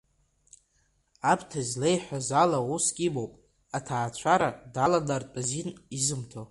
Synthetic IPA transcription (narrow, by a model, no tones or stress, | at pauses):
abʰtʰazlejħʷᶣazalauskʲʼibowpʼ | atʰaːt͡ɕʷʰaɾadaladartʼazinizɨmtʰo